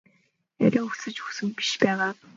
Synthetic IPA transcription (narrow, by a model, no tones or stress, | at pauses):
æ̰ɾʲaːŋuxsɘ̆t͡ɕɵxsɘ̆ŋpi̥ʃpæːʁaː